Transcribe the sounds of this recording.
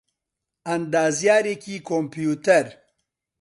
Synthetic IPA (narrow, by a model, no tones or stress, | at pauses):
ɐnd̪aːzjaːɾekikompjut̪ɐɾ